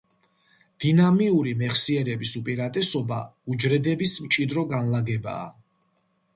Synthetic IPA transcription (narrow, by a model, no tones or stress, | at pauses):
d̪̥inamiuɾimɛχsiɛɾɛbisupʼiɾat̪ʼɛsɔbaud͡ʒɾɛd̪ɛbismt͡ʃʼid̪ɾɔɡanlaɡɛba̰ː